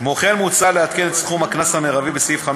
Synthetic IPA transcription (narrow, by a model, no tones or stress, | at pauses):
moχenmut͡saleat̪̚kenet̪sχumhaknasameʁavibesifχam